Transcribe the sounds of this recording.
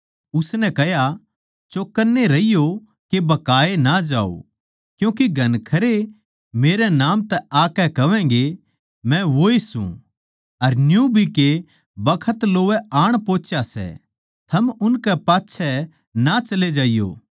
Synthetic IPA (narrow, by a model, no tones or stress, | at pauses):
ʊsnɛkɛɦja | t͡ʃoːkːəɾnːeɾɐijo | kebɐkaːenad͡ʒa̰ːo̰ | kjũːkiɡʱɐnkʰɐɾe | meːɾɛnaːmt̪ɛaːkɛkɐʋɛ̃ːŋɡe | mɛ̃ʋoːisṵ̃ | ɐɾnjũbʱike | bɐkʰət̪loːʋɛaːɽ̃poːt͡ʃjasɛ̰ | t̪ʰɐmʊnkɛpaːtːʃʰɛ | nat͡ʃɐled͡ʒaːɪjo̰ː